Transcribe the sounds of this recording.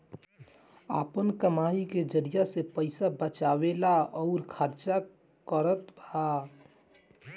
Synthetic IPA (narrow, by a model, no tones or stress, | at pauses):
a̰pənkəmaiked͡ʒəɾijasepəɪsabət͡ʃabelaɔʊɾkʰəɾt͡ʃa | kəɾət̪bʱa